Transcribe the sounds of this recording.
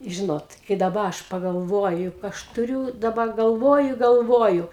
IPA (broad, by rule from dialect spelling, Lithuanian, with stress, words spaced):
ˈʒʲɪnoːt kɐɪ dɐˈbɐ ˈɐʃ pɐɡɐlˠˈʋoːjʊ ˈɐʃ tʊˈrʲuː dɐˈbɐ ɡɐlˠˈʋoːjʊ ɪ ɡɐlˠˈʋoːjʊ